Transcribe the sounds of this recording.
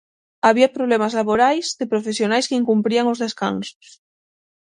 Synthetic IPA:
aβ̞iapɾoβlemazlaβoɾajzðepɾofesjonajskeiŋkumpɾiaŋozðeska̰ŋso̥s

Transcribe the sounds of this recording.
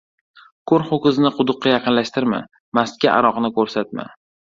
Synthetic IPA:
kʰoɾχokʲɪznɪqʰʊd̪ʊqːɑjɑqʰɨnlaʃt̪ɪɾma̰ | mast̪̚kʲaʔa̰ɾɒqnɪkʰɵɾsat̪̚ma̰

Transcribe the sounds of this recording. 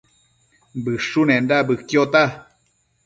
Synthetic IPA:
bɨʂunendabɨkjot̪a

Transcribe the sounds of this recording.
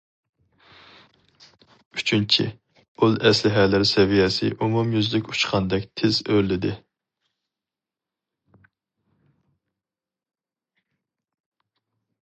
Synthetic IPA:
yt͡ʃʰynt͡ʃʰḭ | ulˠɛslɪɦɛlɪɾsɛvijɛsɪ̰ʔumumjyzlɪkʲu̥t͡ʃqʰɑnd̪ɛkʲt̪ʰɪzøɾlɪd̪ɪ

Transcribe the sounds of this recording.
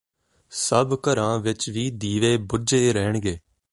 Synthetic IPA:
səbkəɾãːʋɪt͡ʃʋiːd̪iːʋeːbʊd͡ʒeːɾɛːɳɡeː

